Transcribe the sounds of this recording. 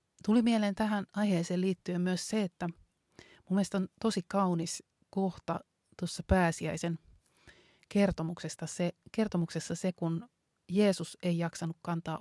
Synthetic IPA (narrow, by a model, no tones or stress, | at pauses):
t̪ulimieleːnt̪æɦænɑiheːseːliːt̪ːyemmyøsseet̪ːæ | mumːieest̪ont̪osikɑunis | koht̪ɑ̰ | t̪uosːɑpæːsiæisen | kert̪omuksest̪ɑsekert̪omuksesːɑsekun | jeːsuseijɑksɑnukkɑnt̪ɑ̰ː